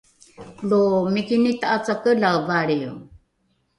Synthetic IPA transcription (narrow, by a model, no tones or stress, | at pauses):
lomikinit̪aat͡sakəlawvaɾiu